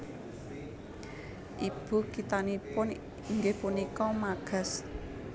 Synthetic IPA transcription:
ʔib̥ṳkit̪anipʊn | iŋɡehpunikɔmaɡ̥a̤s

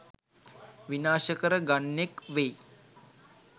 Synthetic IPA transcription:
ʋinaːʃəkəɾəɡaɳːekʋej

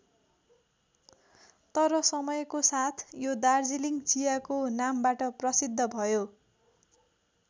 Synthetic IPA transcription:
t̪ʌɾʌsʌmʌjkosat̪ʰjod̪ard͡ziliŋt͡sijakonambaʈʌprʌsid̪ʱːʌbʱʌjo

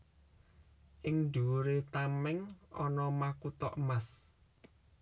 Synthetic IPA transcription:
ʔɪŋd̪̥uɾet̪amɛŋɔnɔmakut̪ɔʔəmas

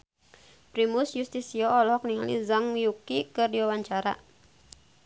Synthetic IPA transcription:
pɾimusjust̪isiɔɔlɔɦɔkniŋalḭzaŋjukikɨrdiwawaɲt͡ʃaɾa̰

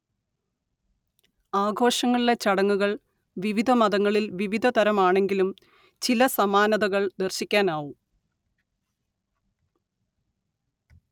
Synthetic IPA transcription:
aːɡʱo̞ːʂɐŋːɐɭile̞t͡ɕɐɽɐŋːuɣɐɭ | ʋiʋid̪ʱɐmɐðɐŋːɐɭilʋiʋid̪ʱɐt̪ɐɾɐmaːɳe̞ŋɡilum | t͡ɕilɐsɐmaːnɐðɐɣɐɭd̪erɕikʲːaːnaːʋu

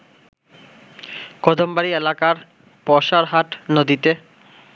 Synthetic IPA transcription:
kɔd̪ʱombaɾielakaɾ | pɔʃaɾɦaʈnod̪it̪e

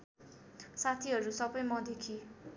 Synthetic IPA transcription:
sat̪ʰiɦʌɾusʌbʌjmʌd̪ekʰi

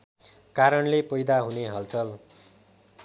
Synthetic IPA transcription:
kaɾʌnlepʌjd̪aɦuneɦʌlt͡sʰʌl

